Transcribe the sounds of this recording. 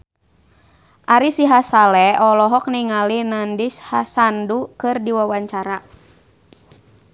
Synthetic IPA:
ʔaɾisiɦasalɛɔlɔɦɔk̚niŋalinandishasandukɨrdiwawaɲt͡ʃaɾa

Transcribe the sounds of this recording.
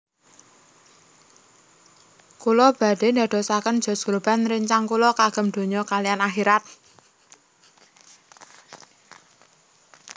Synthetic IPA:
kulɔb̥a̤ɖ̥e̤nda̤d̪̥ɔ̤sakən̥ʒ̥ɔ̤sɡ̥ɾob̥a̤nrəɲt͡ʃaŋkulɔkaɡ̥ə̤md̪̥o̤ɲɔkalijanaxiɾat̪̚

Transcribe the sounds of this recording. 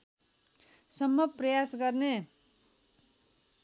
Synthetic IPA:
sʌmːʌprʌjasɡʌrne

